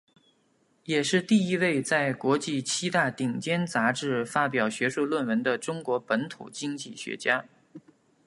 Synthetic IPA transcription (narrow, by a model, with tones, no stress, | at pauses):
jɛ˨˩ʂɻ̩˥˧t̪i˥˩i˥we˥˧ɪt͡sa˥˩ɪkwɔ˧˥t͡ɕi˥˩t͡ɕʰi˥t̪a˥˩t̪i˨˩ŋt͡ɕjɛ˥nt͡sa˧˥ʈ͡ʂɻ̩˥˩fa˥pjɑ˨˩ʊɕɥɛ˧˥ʂu˥˧lwə˥˩nwə˧˥nd̪ə˧ʈ͡ʂʊ˥ŋkwɔ˧˥pə˧˥nt̪ʰṵ˨˩t͡ɕi˥ŋt͡ɕi˥˩ɕɥɛ̰˧˥t͡ɕja˥